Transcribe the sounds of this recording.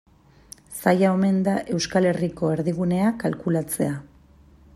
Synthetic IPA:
sajao̞me̞nd̪aʔe̞wskale̞riko̞e̞ɾðiɣ̞une̞akalkulat͡se̞a

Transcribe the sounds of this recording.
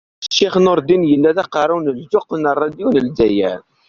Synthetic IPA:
ʃiχənʊɾˤd̪injəlːæðæqɑɾˤawnəld͡ʒoqənərˤːɑd̪iwnəldæjæ̰

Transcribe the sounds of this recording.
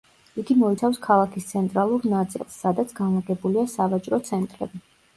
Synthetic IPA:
iɡimɔit̪sʰafskʰalˠakʰist̪sʰɛnt̪ʼɾalˠuɾnat̪sʼḭlˠsːad̪at̪sʰɡanaɡɛbuliasavat͡ʃʼɾɔt̪sʰɛnt̪ʼɾɛ̰bi

